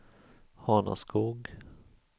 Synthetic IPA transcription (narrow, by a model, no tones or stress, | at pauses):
hɑːna̰skʰuːɡ